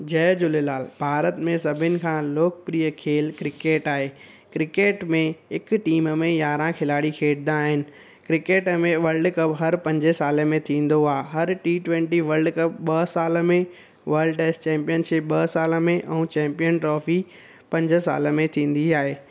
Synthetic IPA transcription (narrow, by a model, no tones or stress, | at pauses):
d͡ʑɐːd͡ʑʊlelaːlbʱaːɾət̪mẽsɐbʱɪnɪ̆kʰãːloːkpɾiːəkʰeːlkɾɪkeːʈaːɦeː | kɾɪkeːʈmẽɦɪkʈiːmmẽjaːɾãkʰɪlaːɽikʰeːʈd̪aːɦɪnɪ̆ | kɾɪkeːʈmẽʋɐɾlɖkɐbɦɐɾpɐ̃ɲd͡ʑəsaːləmẽt̪ʰĩːn̆d̪oaːɦɦɐɾʈiːʈʋɛ̃ːɳʈiʋɐɾɖkɐbɓɐsaːlə̆mẽ | ʋɐɾlɖʈeːsʈt͡ɕɛ̃ːmpijənʃɪp̚ɓɐsaːləmẽʔɛ̃ũːt͡ɕɛ̃ːmpijənʈɾɔːfi | pɐ̃ɲd͡ʑsa̰ːlə̆mẽt̪ʰĩːn̆d̪iaːɦeː